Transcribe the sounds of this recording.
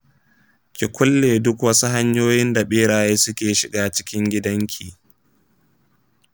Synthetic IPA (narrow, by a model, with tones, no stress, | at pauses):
kʲɪ˨kʷʊ˦lːeː˨dʊ˦kwɐ˦su˦ɦa˦ɲjoː˦jɪ˦nda˨ɓeː˦ɽaː˨jeː˦sʊ˦kʲeː˨ʃɪ˨ɡaː˦t͡ʃɪ˦kʲɪ˦ŋɡʲɪ˦dɐ˦ŋkʲʰiː˨